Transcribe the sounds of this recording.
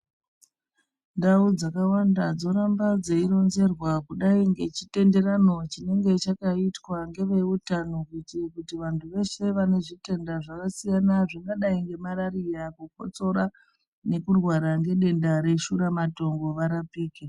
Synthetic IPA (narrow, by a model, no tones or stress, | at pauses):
ndaud͡zakawandad͡zo̞ɾambad͡zeiɾo̞nze̞rwakuɗaiŋɡe̞t͡ʃite̞nde̞ɾano̞t͡ʃine̞ŋɡe̞t͡ʃakaitwaŋɡe̞ʋe̞utanokuitkutiʋantʰuʋe̞se̞ʋane̞ʐite̞ndaʐakasijanaʐiŋɡaɗaiŋɡe̞maɾaɾijakuk̚o̞̰t͡so̞ɾa | ne̞kurwaɾaŋɡe̞ɗe̞ndaɾe̞ʃuɾamato̞ŋɡo̞ʋaɾapiːke